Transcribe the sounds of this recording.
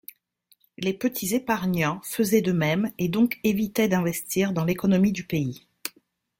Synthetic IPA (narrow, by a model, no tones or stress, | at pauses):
lepət̪ʰizepaʁnɑ̃fəzɛd̪əmɛmed̪ɔ̃kevit̪ɛd̪ɛ̃vɛst̪ʰiʁd̪ɑ̃lekɔnɔmid̪ypei